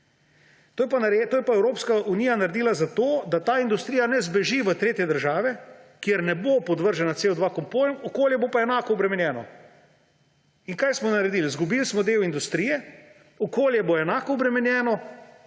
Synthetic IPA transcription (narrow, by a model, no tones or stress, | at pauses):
t̪oːjɛpanaɾet̪oːjɛpaɛwɾoːpskaʔunijanaɾɛd̪iːlazat̪oːd̪at̪aːind̪ust̪ɾijanɛzbɛʒiʋət̪ɾeːt̪jɛd̪əɾʒaːʋɛkjɛɾnɛbopɔd̪ʋəɾʒɛnat̪seːɔd̪ʋakɔmpoːjmɔkoːljɛbopaɛnaːkɔɔbɾɛmɛnjɛːnɔ | iŋkajsmɔnaɾɛd̪iːlizɡubilsmɔd̪eːwind̪ust̪ɾijɛ | ɔkoːljɛboɛnaːkɔɔbɾɛmɛnjɛːnɔ